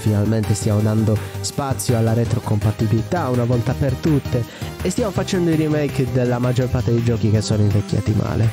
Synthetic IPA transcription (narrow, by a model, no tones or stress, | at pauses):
finalment̪est̪jamod̪and̪ospat̪sːjoalːaɾɛt̪ɾokompat̪ːibilit̪aunavɔlt̪apert̪ut̪ːeest̪jamofat͡ʃɛnd̪oirimejkd̪elːamad͡ʒːɔrpart̪ed̪ejd͡ʒɔːk̟ik̟esːɔːnoiɱvekʲːja̰t̪ima̰ːle